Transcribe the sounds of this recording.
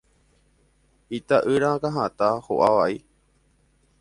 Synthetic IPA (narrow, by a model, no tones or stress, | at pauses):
it̪aʔɨɾakaɦãt̪aho̰ʔaʋaʔi